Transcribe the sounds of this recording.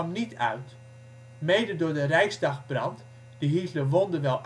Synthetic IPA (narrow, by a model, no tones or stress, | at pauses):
mnitʰœ̰ɥt | mejdədʊɹdərɛjsdɑxbrɑnt | d̥əɦitləʋɔndəʋɛlˠ